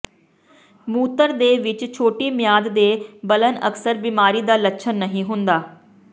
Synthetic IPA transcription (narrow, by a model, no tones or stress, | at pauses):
muːt̪əɾd̪eːʋɪt͡ʃt͡ʃʰoːʈiːmɪjaːd̪d̪eːbələnə̰ksəɾbiːmaːɾiːd̪aːlətːʃʰənːəɦĩːɦʊnd̪aː